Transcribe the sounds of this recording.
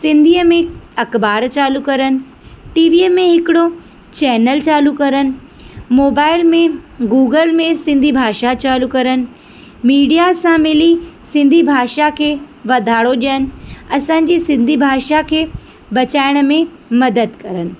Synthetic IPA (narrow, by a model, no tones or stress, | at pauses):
sɪ̃nd̪ʱiːəmẽɐkbaːɾt͡ɕaːlukɐɾənɪ̆ | ʈiːʋiːəmẽɦɪkɪɽo | t͡ɕɛːnəlt͡ɕaːlukɐɾənɪ̆ | moːbaːɪlmẽɡuːɡəlmẽsɪ̃nd̪ʱibʱaːʃat͡ɕaːlukɐɾənɪ̆ | miːɖijasãmɪlisɪ̃nd̪ʱibʱaːʃakʰeːʋɐd̪ʱaːɽoɗiənɪ̆ɐsãːɲ̆d͡ʑisɪ̃nd̪ʱibʱaːʃakʰeː | bɐt͡ɕaːɪɽ̃mẽ | mɐd̪əd̪kɐɾənɪ̆